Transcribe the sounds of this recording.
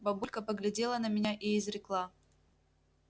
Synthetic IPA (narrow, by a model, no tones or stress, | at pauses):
bɐbulʲkəpəɡlʲɪdʲe̞lˠənəmʲɪnʲaʔɪɪzɾʲɪklˠa